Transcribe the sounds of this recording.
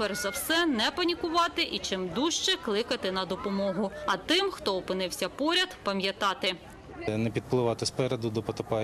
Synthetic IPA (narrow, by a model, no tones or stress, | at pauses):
pɛrzɐwsɛnɛpɐnʲikʊʋɑt̪ɪʔit͡ʃɪmd̪uʃt͡ʃɛklˠɪkɐt̪ɪnɐd̪ɔpɔmɔɦʊɐt̪ɪmxt̪ɔɔpɪnɪwsʲɐpɔɾʲɐd̪pɐmʲjɐt̪ɑt̪ɪ | nɛpʲid̪̚plˠɪʋɑt̪ɪspɛɾɛd̪ʊd̪ɔpɔt̪ɔpɑ